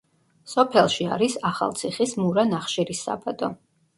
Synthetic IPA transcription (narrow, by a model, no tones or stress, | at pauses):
sɔpʰɛlˠʃia̰ɾisaχa̰lˠt̪sʰiχismuɾanaχʃiɾisːa̰bʼad̪ʼɔ